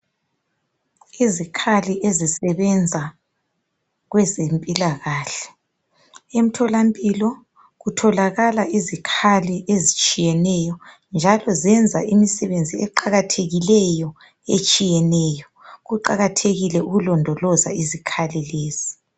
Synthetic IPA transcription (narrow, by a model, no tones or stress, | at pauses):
izikʰaliʔezisɛβɛnd͡zʱa | ɣwɛzempʼilaɣaːɬɛ̥ | em̩tʰɔlampʼilɔ | ɣutʰɔlaɣalaʔizikʰaliʔezit͡ʃʼijɛnɛjɔ | nd͡ʒʱalɔzɛnd͡zʱa̰ʔimisɛβend͡zʱiɛǃaɣatʰeɣilɛjɔ | et͡ʃʼijɛnɛjɔɣuǃaɣatʰeɣilɛuɣulɔndʱɔlɔza̰izikʰalileːzi